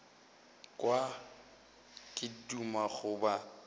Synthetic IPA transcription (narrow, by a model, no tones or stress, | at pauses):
kʼwa | kʼɪdumaχʊba